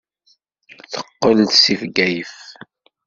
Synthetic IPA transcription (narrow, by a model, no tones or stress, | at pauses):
θə̥qːəlt̪sifɡæjəf